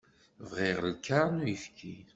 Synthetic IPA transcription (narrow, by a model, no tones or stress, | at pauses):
vʁiʁlkːaɾˤnujifkʰi